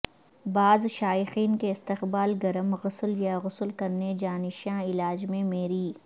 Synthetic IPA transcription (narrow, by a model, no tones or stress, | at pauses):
baːzʃaːjɪxiːnkeɪst̪ɪqbaːlɡɐɾəmɣʊsljaɣʊsəlkɐɾned͡ʒaːnɪʃãɪlaːd͡ʒmẽmeːɾiː